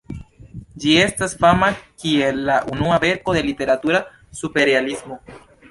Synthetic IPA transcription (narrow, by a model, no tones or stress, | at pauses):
d͡ʒie̞stasfamakie̞lːaʔunuabe̞ɾko̞d̪e̞lite̞ɾatuɾa | supe̞ɾealismo̞